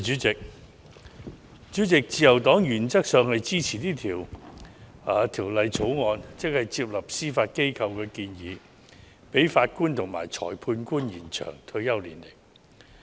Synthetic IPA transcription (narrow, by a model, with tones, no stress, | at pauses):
yː˨˥t͡sɪ˨k̚ | t͡ʃyː˨˥t͡sɪ˨k̚t͡siː˨˧jɐ˨˩wt̪ɔː˨˥ŋjyː˨˩nt͡sɐ˥k̚sœː˨˧ŋhɐ˨jt͡siː˥t͡sʰiː˨˩niː˥t̪ʰiː˨˩w | aː˨˧t̪ʰiː˨˩wlɐ˨˧jt͡sʰo˨˥wŋɔː˨˧nt͡sɪ˥k̚hɐ˨jt͡siː˧p̚lɐ˨p̚siː˥faː˧t̚ke˥jkʰɐ˧wkɛː˧kiː˧njiː˨˧ | pe˨˥jfaː˧t̚kuː˥nt̪ʰʊ˨˩ŋma̰ː˨˩jt͡ʃʰɔ̰ː˨˩jpʰuː˧nkuː˥njiː˨˩nt͡ʃʰœ̰ː˨˩ŋt̪ʰɵ˧ɥjɐ˥wliː˨˩nle˨˩k